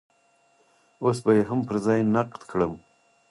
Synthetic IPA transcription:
osbajeɦampəɾzɑjnaqt̪kʰɽəm

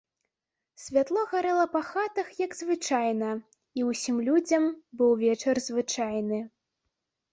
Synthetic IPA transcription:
sʲvʲat̪lˠɔɣaɾɛlˠɐpɐxat̪ɐxjɐɡzvɨt͡ʂajnɐ | iwsʲimlʲud͡zʲɐmbɨwvʲɛt͡ʂɐrzvɨt͡ʂajnɨ

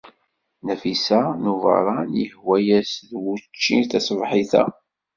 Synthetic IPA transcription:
næfisænuvə̰ɾˤɑnjəhwæjæsðwut͡ʃːinθæsvħiθæ̰

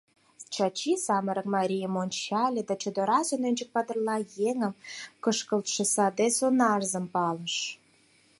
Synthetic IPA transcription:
t͡ɕɑt͡ɕisɑməɾə̆kmɑɾʲijəmonʲt͡ɕɑlʲed̪ɑt͡ɕŏd̪oɾɑzonønʲd͡ʒə̆k̚pɑd̪ə̆rlɑjeŋə̆mkəʃkə̆lt̪ʃĕsɑd̪esonɑrzə̆mpɑləʃ

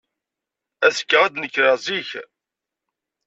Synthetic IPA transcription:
æsə̥kːaʁæd̪nəkːɾaziç

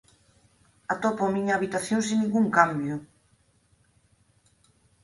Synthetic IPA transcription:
at̪ɔpoamiɲaːβit̪aθjoŋsiŋnĩŋɡuŋkambjʊ

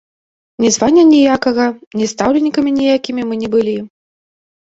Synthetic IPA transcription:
nʲɛzvanʲːɐnʲɛjakɐɣɐnʲɛst̪awlʲɛnʲːikɐmʲinʲɛjakʲimʲimɨnʲɛbɨlʲi

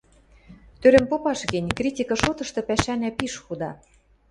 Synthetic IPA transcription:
t̪øɾɘ̆mpopɑʃɣɘ̆nʲkrʲitʲikɤ̆ʃot̪ɤ̆ʃt̪ɤ̆pæʃænæpiʃxud̪ɑ

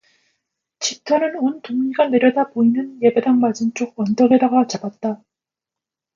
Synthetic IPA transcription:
t͡ɕitʰʌnɯnontoŋɲiɡane̞ɾjʌdaboinɯnje̞be̞daŋmad͡ʑimt͡ɕ͈oɡ̚wʌndʌɡe̞daɡat͡ɕabat̚t͈a

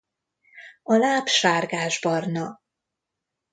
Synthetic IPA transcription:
ɒlaːpʃaːrɡaːʒbɒrnɒ

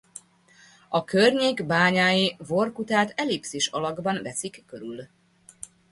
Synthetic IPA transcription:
ɒkørɲeːɡbaːɲaːjivo̞rkut̪aːt̪ɛlipsiʃɒ̰lɒɡbɒnvɛsikːøɾyl

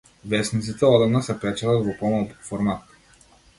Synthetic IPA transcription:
vɛsnit̪sit̪ɛɔd̪ɐnəsɛpɛt͡ʃələvopɔmɐlˠfoɾmat̪

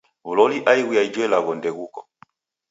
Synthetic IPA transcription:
vulɔliʔaiɣijaid͡ʒwɛlaɣɔndɛɣukɔ

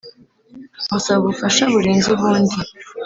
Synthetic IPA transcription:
asaβufaʃaβuɾeːnzuβaːndi

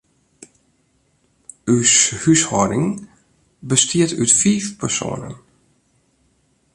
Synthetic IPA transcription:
yshyshɔdɪŋ | bəstʰiətytfiːfpərso̰ːnə̰n

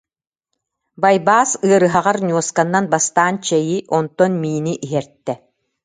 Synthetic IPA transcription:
bajbaːsɯɐɾɯɦaʁaɾnʲuɔskanːanbast̪aːnt͡ɕɛjiʔɔnt̪ɔnmiːniʔiɦɛɾt̪ːɛ

